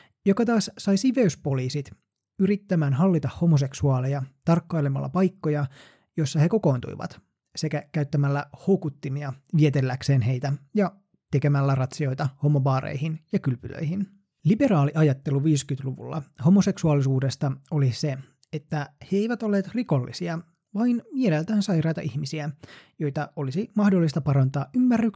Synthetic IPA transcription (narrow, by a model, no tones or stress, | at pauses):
jokɑt̪ɑːssɑjsiʋe̞yspo̞liːsit̪ | yɾit̪ːæmæːnɦɑlːit̪ɑhho̞mos̬e̞ksuɑːlejɑt̪ɑrkːɑilemɑ̰lːɑ̰pɑjkːo̞jɑ | jo̞sːɑhe̞ko̞ko̞ːnt̪ṵiʋɑ̰t̪ | se̞kækæyt̪ːæmælːæhoukut̪ːimiɑʋiet̪elːækseːnɦe̞jt̪æjɑ | t̪ekemælːærɑt̪sio̞jt̪ɑho̞mobɑːrḛihinjɑkylpylø̰ihin | libe̞ɾɑːliʔɑjɑt̪ːe̞luʋiːskyt̪luʋṵlːɑ̰ho̞mose̞ksuɑlisuːde̞st̪ɑo̞lise | et̪ːæheeiʋæt̪olːeːt̪riko̞lːḭsiɑ | ʋɑinielelt̪æːnsɑjrɑːt̪ɑʔihmisiæjo̞jt̪ɑo̞lisimɑhdolːist̪ɑpɑɾɑnt̪ɑːʔymːærːyk